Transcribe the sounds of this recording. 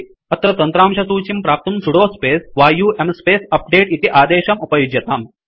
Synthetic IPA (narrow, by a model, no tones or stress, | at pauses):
ɐt̪ɾɐt̪ɐnt̪ɾaːmʃɐsuːt͡ɕimpɾaːp̚t̪unsuɽoːspeːsʋaːjuːʔemspeːsɐp̚ɖeːʈit̪iʔaːd̪eːʃɐmupɐjud͡ʒjɐt̪aːm